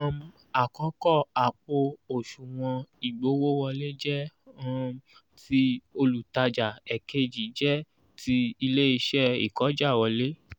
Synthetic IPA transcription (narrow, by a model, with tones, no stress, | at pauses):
a˨kɔ˨˦kɔ˦˨a˨k͡po˧o˨ʃu˨w̃ɔ̃˧i˨ɡ͡bo˨˦wo˦wɔ˧le˦d͡ʒɛ˦ | ti˦o˧lu˨ta˧d͡ʒa˨ɛ˨ke˦d͡ʒi˨˦d͡ʒɛ˦ | tʰi˧i˧le˦i˧ʃɛ˦ḭ˨kɔ˨˦d͡ʒa˦˨wɔ˧le˦